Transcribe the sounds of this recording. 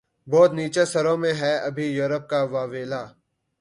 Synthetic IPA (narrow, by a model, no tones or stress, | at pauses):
bɔːt̪niːt͡ʃesɐɾõmẽɦɛːɐbʱijoːɾəp̚kaʋaːʋeːlaː